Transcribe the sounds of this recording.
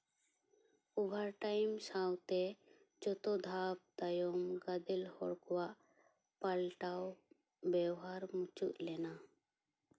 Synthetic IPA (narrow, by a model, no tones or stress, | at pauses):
ubʱaɾʈajmsawt̪ɛ | d͡ʒɔt̪ɔd̪ʱab̚d̪ajɔmɡad̪ɛlhɔɽkɔwaʔ | palʈaw | bɛɦaɾmut͡ʃṵʔlɛna